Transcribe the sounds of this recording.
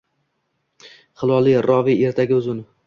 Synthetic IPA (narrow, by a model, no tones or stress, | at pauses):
χɨlˠɒlˠijɾɒvie̞ɾt̪ʰaɡʲɪɵzʊnɪ